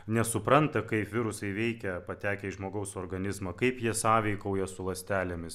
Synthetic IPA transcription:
nʲɛsʊpɾɐnt̪ɐkɐɪpʋʲɪɾʊsɐɪʋʲɛɪkʲɛpɐt̪ʲæːkʲɛɪʒmoːɡɐʊsoːrɡɐnʲɪzmɐːkɐɪpjiɛsɑːʋʲɛɪkɐʊjɛsʊlˠɐsʲt̪ʲæːlʲɛmʲɪs

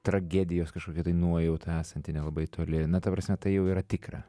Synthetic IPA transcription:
t̪ɾɐɡʲæːd̪ʲɪjoːskɐʃkoːkʲɪɛt̪ɐɪnuɔjɛʊt̪ʰɐæːsɐnʲt̪ʲɪnʲɛlˠɐbɐɪt̪ʰoːlʲɪnɐt̪ɐpɾɐsʲmʲɛt̪ɐɪjɛʊiːɾɐt̪ʲɪkrɑ̰

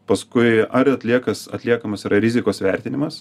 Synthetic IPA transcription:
pɐskʊɪɐɾɐt̪ʲlʲiɛkɐsɐ̰t̪ʲlʲiɛkɐmɐsiɾʔɐɾʲɪzʲɪkoːsʋʲɛɾʲt̪ʲɪnʲɪmɐs

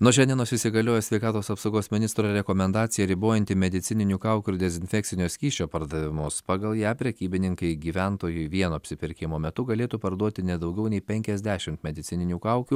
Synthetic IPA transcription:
nʊʃʲɛnʲiɛnoːsɪsʲɪɡɐlʲoːjɛsʲʋʲɛɪkɑːt̪oːsɐpsoʊɡoːsmʲɪnʲɪst̪ɾoɾʲɛkoːmʲɛnd̪ɑːt̪sʲɪjɛɾʲɪboːjɛnt̪ʲɪmʲɛd̪ʲɪt̪sʲɪnʲɪnʲuːkɑˑʊkʲuɪɾd̪ʲɛzʲɪnʲfʲɛk̚t̪sʲɪnʲoːsʲkʲiːʃʲt͡ʃʲoːpɐɾd̪ɐʋʲɪmʊspɑːɡɐlˠjæːpʲɾʲɛkʲiːbʲɪnʲɪŋkɐɪɡʲiːʋʲænt̪oːjʊɪʋʲiɛnoɐpʲsʲɪpʲɪɾʲkʲɪmoːmʲɛt̪ʊɡɐlʲeːt̪uːpɐɾd̪uɔt̪ʲɪnʲɛd̪ɐʊɡʲɛʊnʲɛɪpʲɛŋʲkʲɛzʲd̪ʲæːʃʲɪmt̪mʲɛd̪ʲɪt̪ʲɪnʲɪnʲuːkɑˑʊkʲuː

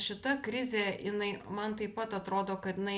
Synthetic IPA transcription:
ʃʲɪt̪ɐkɾʲɪzʲeːjɪnɐɪmɐnt̪ɐɪppɐt̪ɐt̪ɾoːd̪oːkɐt̪ɪnɐɪ

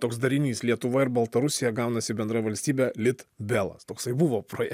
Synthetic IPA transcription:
t̪oːksd̪ɐɾʲɪnʲiːslʲiɛt̪ʊʋɐɪɾbɐlˠt̪ɐɾʊsʲɪjɛɡɐˑʊnɐsʲɪbʲɛnd̪ɾɐjʋɐlʲsʲt̪ʲiːbʲæːlʲɪt̪bʲeːlˠɐ̰st̪oːksɐɪbʊʋoːpɾoːjɛ

